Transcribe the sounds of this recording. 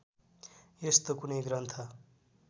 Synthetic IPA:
jest̪okunʌjɡɾʌnt̪ʰʌ

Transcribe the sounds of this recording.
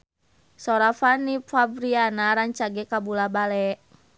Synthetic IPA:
sɔɾafanipabɾianaɾaɲt͡ʃaɡɛkabulabalɛʔ

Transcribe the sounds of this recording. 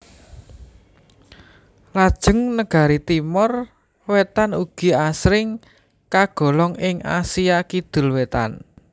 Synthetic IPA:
lad̥ʒ̥ə̤ŋnəɡ̥a̤ɾit̪imɔr | wet̪anuɡ̥i̤asɾɪŋ | kaɡ̥ɔ̤lɔŋɪŋa̰siakid̪̥ʊ̤lwet̪a̰n

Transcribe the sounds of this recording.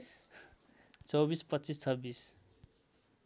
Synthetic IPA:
t͡sʌwbispʌtːt͡sist͡sʰʌbːis

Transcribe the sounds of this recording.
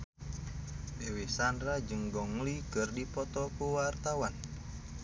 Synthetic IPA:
dewesandɾad͡ʒəŋɡɔŋlikərdipɔt̪ɔkuwart̪awan

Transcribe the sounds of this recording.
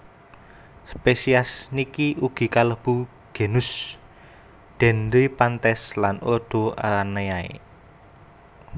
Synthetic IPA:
spesiasnikiuɡ̥i̤kaləb̥u | ɡ̥e̤nʊs | d̪̥ɛ̤nd̪ipant̪ɛslanod̪̥o̤ʔa̰ɾanajaḛ

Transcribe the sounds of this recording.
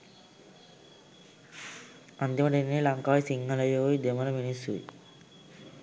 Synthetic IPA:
ɐnd̪imɐʈɐnːilɐŋkaːjisiŋɡɐlɐjoːid̪emɐlɐminisṵḭ

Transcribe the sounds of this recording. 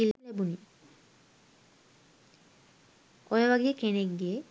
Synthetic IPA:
illebuni | ɔjeβaɡiekenekdie

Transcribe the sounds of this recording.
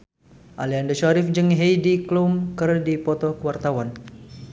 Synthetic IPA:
ʔaliandəʃaɾɪfd͡ʒɨŋɦejdiklumkərdipɔt̪ɔhkəwart̪awan

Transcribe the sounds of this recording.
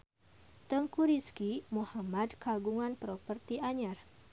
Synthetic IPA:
t̪əŋkuɾiskimuhamad̪kaɡuŋanpɾɔpərt̪iʔaɲar

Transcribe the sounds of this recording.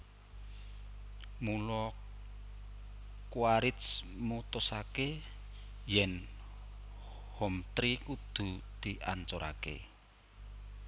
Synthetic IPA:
mulɔ | kwaɾɪt̪s | mut̪ʊsake | jɛn | hɔmt̪ɾikud̪̥ṳd̪̥iʔa̰nt͡ʃoɾʔa̰kḛ

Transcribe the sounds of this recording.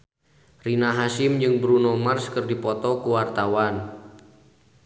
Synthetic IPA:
rinaɦasɪmd͡ʒɨŋbɾunomarskɨrdipɔt̪ɔkuwart̪awan

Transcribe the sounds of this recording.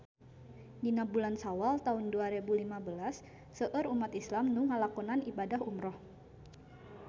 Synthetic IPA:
dinabulansawalt̪aʊnduaɾebulimabəlasː | əʔəɾumat̪islamnuŋalakɔnanibadaɦumɾɔh

